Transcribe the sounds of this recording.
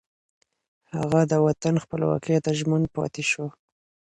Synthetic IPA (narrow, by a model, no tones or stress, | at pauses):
haɣad̪əwat̪anxpəlwɑ̰kt̪aʒman̚pɑ̰t̪eʃwo